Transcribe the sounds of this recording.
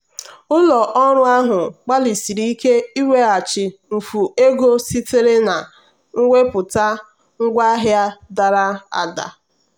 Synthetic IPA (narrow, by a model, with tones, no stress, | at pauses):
ʊ˦lɔ˨ʔɔ˦ɾʊ˦a˦ɦʊ˨k͡pa˦li˨si˨ɾi˦i˦ke˦i˦we˦a˨t͡ʃɪ˨m̩˨fu˨e˦ɡo˦si˦te˦ɾe˦na˨ | ŋ̩˦ŋʷe˦pʊ˨ta˦ | ŋ̩˦ɡʷa˦ɦja˦da˨ɾa˦a̰˨da̰˨